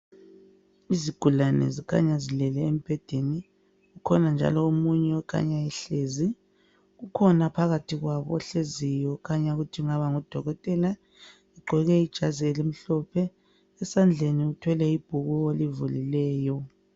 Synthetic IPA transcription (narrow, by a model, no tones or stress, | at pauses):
iziɡ̥ʱulanɛ̰zikʰa̰ɲazilɛlɛem̩b̥ʱɛd̥ʱeni | ɣukʰɔnand͡ʒʱa̰lɔomuɲɛɔkʰa̰ɲaɛɬeːzi | ɣukʰɔnapʰaɣatʰiɣwaβɔ̰ɔɬezijɔkʰaɲaɣutʰiuŋaβaŋud̥ʱɔɣɔtʼɛla | iɡ͡ǃʱɛɣɛid̥ʒ̥ʱazielim̩ɬɔpʰɛː | sand͡ɮʱeniutʰwɛlɛib̥ʱuɣuelivulilɛːjɔ